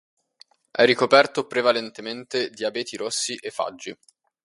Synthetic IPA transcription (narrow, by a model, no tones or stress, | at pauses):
ʔɛrːikopɛrt̪opɾevalent̪ement̪ed̪iabɛːt̪iɾosːiʔefːa̰d͡ʒːi